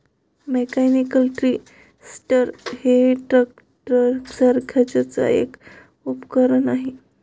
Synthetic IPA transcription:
mekanikəlʈɾi | sʈəɾheʈɾək̚ | ʈɾəksaɾkʰat͡ɕat͡sa̰ḛk | upkəɾənaɦe

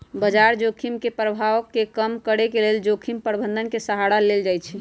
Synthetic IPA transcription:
bəd͡ʒaɾd͡ʒokʰimkepɾəbʱaʋəkːekəmkəɽekeleld͡ʒokʰimpəɾbʱənd̪ʱənkesəɦaɽaleld͡ʒajt͡ʃʰɛ

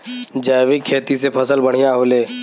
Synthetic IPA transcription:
d͡ʒaːʋikʰːeːt̪isepʰɐsəlbəɽ̤̃ijaɦoːleː

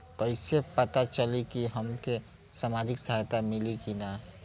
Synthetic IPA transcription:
kəɪsepət̪at͡ʃəlikiɦɐmke | samaːd͡ʒɪksəɦajt̪amɪlikina

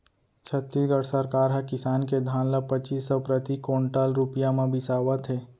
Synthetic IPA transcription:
t͡ʃʰət̪ːisɡəɽsəɾkaːɾɦɛkɪsaːnked̪ʱãːnləpət͡ʃiːsːɔpɾət̪ikõːɳʈalɾupjamãbʱɪsaːʋət̪ɦeː

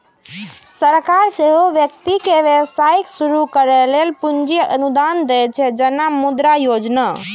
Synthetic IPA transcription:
səɾkaɾseɦoʋjəkt̪ikeʋjəʋsaiksuɾukəɾɛlelpund͡ʒijəənud̪and̪ɛt͡ʃʰɛd͡ʒenamud̪ɾajod͡ʒna

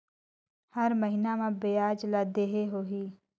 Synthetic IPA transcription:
həɾməɦɪnamãbejaːd͡ʒlad̪eːɦeɦoːɦiː

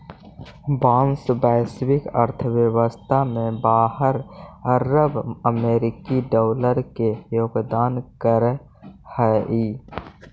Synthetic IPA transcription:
baːmsbaːsəbɪkəɾt̪ʰəʋjəwəst̪ʰamẽbaːɦəɾəɾəbəmeːɾɪkiɖɔːləɾkejoːɡd̪aːnkəɾ | hɛiː

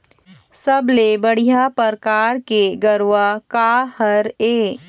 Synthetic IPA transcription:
səblebəɽ̤ijapəɾkaːɾkeɡəɾwakaːhəɾeː

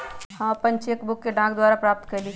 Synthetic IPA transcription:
hãɐpənt͡ʃekbʊkːeɖãːkd̪waːɾapɾaːp̚t̪kəɾli

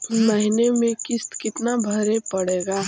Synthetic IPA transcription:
məɦɪnemẽkɪst̪kɪt̪nabʱəɾepəɽeːɡaː

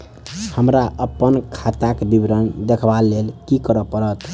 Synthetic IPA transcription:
həmɾaʔəpːənkʰat̪akbibɾənd̪ekʰbalːelkikəɾəpəɾət̪

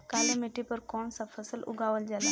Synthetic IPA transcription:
kaːlemɪʈipəɾkɔːɳsãpʰəsəlʊ̰ɡaːʋəld͡ʒala

